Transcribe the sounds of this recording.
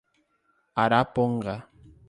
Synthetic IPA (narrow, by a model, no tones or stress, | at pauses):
aɾapoɴɢɑ